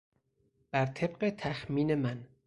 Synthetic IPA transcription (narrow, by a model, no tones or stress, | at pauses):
b̥æɾt̪ʰe̞bɢet̪ʰæxmiːne̞mæn